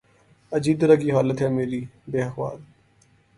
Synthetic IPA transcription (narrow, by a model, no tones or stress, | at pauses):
ɐd͡ʒiːb̚t̪əɾakiɦaːlət̪ɦɛːmeːɾiːbeːəxʋa̰ːl